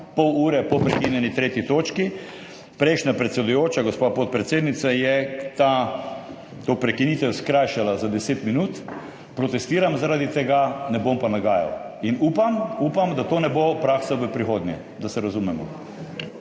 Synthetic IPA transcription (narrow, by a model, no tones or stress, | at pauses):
pɔwuːɾɛpɔpɾɛkinʲjɛnit̪ɾeːt̪jit̪oːt͡ʃki | pɾɛɪʃnapɾɛt̪sʲɛd̪ujoːt͡ʃaɡospapot̪̚pɾɛt̪seːd̪nit̪sajɛt̪a | t̪opɾɛkiniːt̪ɛwskɾajʃalazad̪ɛseːt̪minut̪ | pɾɔt̪ɛst̪iːɾamzaɾaːd̪it̪ɛɡanɛbompanaɡaːja̰w | inuːpamupamd̪at̪oːnɛbopɾaːksaʋəpɾixoːd̪njɛ̰ | d̪asɛɾazumɛmɔ̰